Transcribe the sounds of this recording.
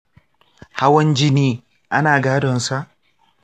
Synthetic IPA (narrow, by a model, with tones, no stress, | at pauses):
ha˦wɐ˦nd͡ʒɪ˦niː˦ | ʔa˦naː˨ɡaː˦dɔ˨nsa˦ʔ